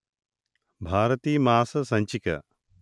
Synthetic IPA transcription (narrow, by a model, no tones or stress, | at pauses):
bʱaːɾɐt̪iːmaːsɐsɐɲt͡ʃikɐ̰